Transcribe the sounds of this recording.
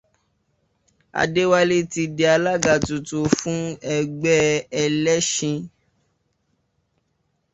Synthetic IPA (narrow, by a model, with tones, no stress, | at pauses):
a̰˨de˦wa˦le˦ti˧de˧a˧la˦ɡa˨tu˨tu˨fũ˦ɛ˦ɡ͡bɛ˦ɛ˧lɛ˦ʃĩ˧